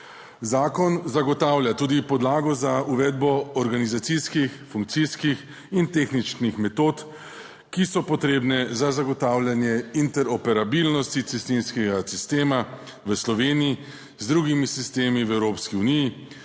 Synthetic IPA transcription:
zaːkɔnzaɡɔt̪aːwljat̪uːd̪ipɔd̪laːɡɔzauʋɛd̪bɔːɾɡanizat̪siskixfuŋkt̪siskix | int̪eːxnit͡ʃnixmɛt̪ot̪ | kisɔpɔt̪ɾeːbnɛzazaɡɔt̪aːwlʲjanjɛint̪ɛɾɔpɛɾabilnɔst̪iist̪inskɛɡasist̪eːmaʋəslɔʋeːniji | zd̪ɾuɡimisist̪eːmiʋɛwɾoːpskiuniji

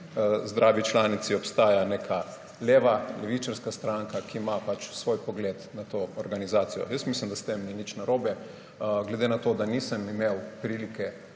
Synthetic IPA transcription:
zd̪ɾʔaːʋit͡ʃlaːnit̪siɔpst̪aːjanekʰa | leːʋalɛʋit͡ʃaɾskast̪ɾaŋkakʰimapat͡ʃsʋoːjpɔɡlet̪nat̪oːɔɾɡanizaːt̪sijɔ̰jəsmislimd̪ast̪emninit͡ʃnaɾoːbɛ | ɡlɛd̪enat̪oːd̪anisəmimewpɾilikɛ

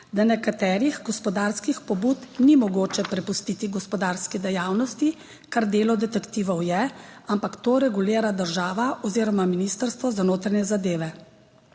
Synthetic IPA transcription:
d̪anɛkat̪ɛːɾiɣɡɔspɔd̪aːɾskixpɔbuːt̪nimɔɡoːt͡ʃɛpɾɛpust̪it̪iɡɔspɔd̪aːɾskɛd̪ɛjaːwnɔst̪i | kaɾd̪eːlɔd̪ɛt̪ɛkt̪iːʋɔwjɛampakt̪oːɾɛɡuliːɾad̪əɾʒaːʋaʔɔziːɾɔmaminist̪əɾst̪ʋɔzanoːt̪ɾanjɛzad̪eːʋɛ

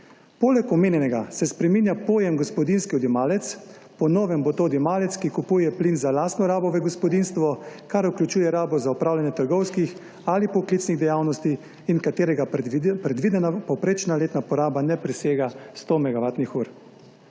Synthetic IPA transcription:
poːlɛkɔmeːnjɛnɛɡasɛspɾɛmiːnjapoːjɛmɡɔspɔd̪inskiɔd̪jimaːlɛt̪s | pɔnɔːʋɛmbɔt̪od̪jɔmaːlɛt̪skikupuːjɛplinzalaːst̪nɔɾaːbɔʋɛɡɔspɔd̪inst̪ʋɔkaɾuklʲut͡ʃuːjɛɾaːbɔzaupɾaːwlanjɛt̪əɾɡɔwskix | alipɔkliːt̪sniɣd̪ɛjaːwnɔst̪iː | nkat̪eːɾɛɡapɾɛd̪ʋid̪ɛnapɔwpɾeːt͡ʃnaleːt̪napɔɾaːbanɛpɾɛseːɡast̪omɛɡaʋaːt̪nixuːɾ

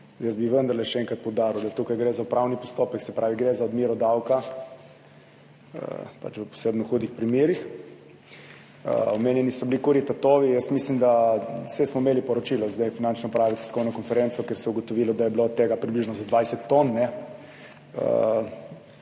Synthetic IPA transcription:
jəsbiʋənd̪əɾlɛʃɛɛŋkɾat̪̚pɔwd̪aːɾiwd̪at̪ukajɡɾezaupɾawnipɔst̪oːpəksɛpɾʔaːʋiɡɾezaɔd̪miɾɔd̪awka | ə̰pa̰t͡ʃʋəpɔ̥sebnɔxuːd̪ixpɾimjeːɾix | ə̰ɔmeːnjɛnisɔblikuɾit̪at̪oːʋijəst̪mislimd̪asɛsmɔimeːlipɔɾɔt͡ʃilɔzd̪ɛjfinant͡ʃnɔpɾaːʋit̪i̥skɔwnɔkɔnfɛɾensɔkeɾsɛuɡɔt̪ɔʋilɔd̪ajɛblot̪ːeːɡapɾibliʒnɔzad̪ʋajsɛt̪ːonːɛ | ə̰

